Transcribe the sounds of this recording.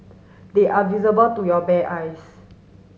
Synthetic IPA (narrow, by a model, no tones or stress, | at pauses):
d̪eʔavizəbəltujɔbɛʔajs